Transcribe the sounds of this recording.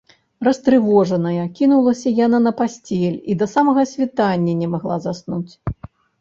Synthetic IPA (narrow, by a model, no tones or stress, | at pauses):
rɐst̪ɾɨvɔʐɐnɐjɐkʲinulˠɐsʲɐjan̪anɐpasʲt͡sʲɛlʲid̪ɐsamɐɣɐsʲvʲit̪anʲːɐnʲɛmaɣlˠazasnut͡sʲ